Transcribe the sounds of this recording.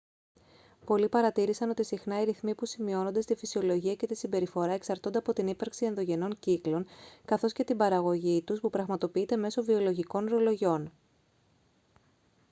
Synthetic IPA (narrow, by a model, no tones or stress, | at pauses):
po̞lipɐɾɐt̪iɾisɐno̞t̪isixnɐiɾiθmipusimio̞no̞nd̪est̪ifisio̞lo̞ʝiɐce̞t̪isimbe̞ɾifo̞ɾɐe̞ksɐɾt̪o̞nd̪eɐpo̞t̪inipɐɾksie̞nðo̞ʝe̞no̞ɲciklo̞ŋkɐθo̞sce̞t̪ibɐɾɐɣo̞ʝit̪uspupɾɐɣmɐt̪o̞piit̪e̞me̞so̞vio̞lo̞ʝiko̞nɾo̞lo̞ʝo̞n